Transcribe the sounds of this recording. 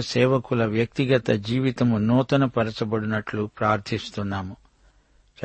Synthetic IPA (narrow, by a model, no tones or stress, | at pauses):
sɛːʋɐkulɐʋjɐk̚t̪iɡɐt̪ɐd͡ʒiːʋit̪ɐmunɔːt̪ɐnɐpɐɾɐt͡ʃɐbɐɽinɐʈlupɾaːɾt̪ʰist̪unːaːmu | t͡ʃ